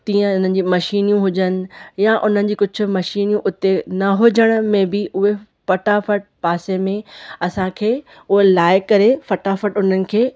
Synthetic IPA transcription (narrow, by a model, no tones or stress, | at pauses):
t̪ĩːə̃ʊn̤ənɪ̆d͡ʑiːmɐʃiːnijũɦʊd͡ʑənɪ̆jaʔʊn̤ənɪ̆d͡ʑiːkʊd͡ʑʱʊ̆mɐʃiːnjũʔʊt̪enɐɦʊd͡ʑəɽ̃ʊ̆mẽbɪʊɦe | fɐʈafɐʈ̚paːsemẽɐsãkʰeː | ʊɦelaːɪkɐɾefɐʈafəʈʊn̤ənɪ̆kʰeː